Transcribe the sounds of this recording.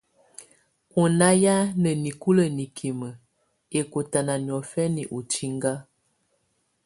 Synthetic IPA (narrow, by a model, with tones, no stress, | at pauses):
u˨na˦ja˦nə˨ni˨ku˦lə˨ni˨kʰi˨mə˨ | e˨ko˨ta˨na˨n˨ɔ˨fɛ˦ni˨ʔu˨ti˦ŋɡa˦